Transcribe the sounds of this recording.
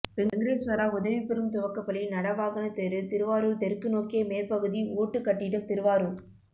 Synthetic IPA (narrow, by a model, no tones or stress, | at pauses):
pɛŋŋɡɾeːsmɐɾaːʊðɐʋipːɛɾɯmt̪ʊʋɐkːɐpːɐɭɪnɐɽɐʋaːɣɐnɐt̪eɾɯt̪ɪɾɯʋaːɾɯɭt̪ɛɾkːɯnoːkeːmeːlpɐɣɯðioːʈːɯkːɐʈːɪɽɯmt̪ɪɾɯʋaːɾɯɭ